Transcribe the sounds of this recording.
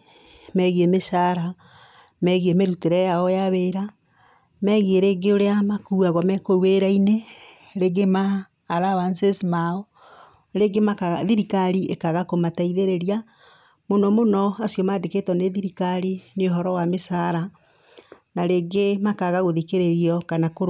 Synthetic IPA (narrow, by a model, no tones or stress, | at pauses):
mɛɣiemesaɾa | mɛɣiemeɾuteɾɛjaɔjaβeɾa | mɛɣieɾeɡeoɾeamakuːaɣɔmɛkoweɾaine | ɾeɡemaː | ɾawansesmaɔ | ɾeɡemakaɣaðiɾikaɾiekaɣakomataiðeɾeɾia | monɔmonɔasiɔmaːdeketɔneðiɾikaɾineoɦɔɾɔwamesaɾa | naɾeɡemakaɣaɣoðikeɾeɾiɔkanakoɾ